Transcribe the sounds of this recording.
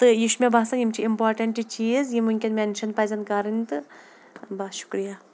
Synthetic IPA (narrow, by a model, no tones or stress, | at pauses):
t̪ɨjiʃmʲebaːsɐnjimt͡ʃʰiimpaːɾʈɐɳʈit͡ʃiːzjimuŋʲkʲinmʲenʃɐnpɐzʲɐnkɐɾɨnʲt̪ɨ | baʃu̥kɾija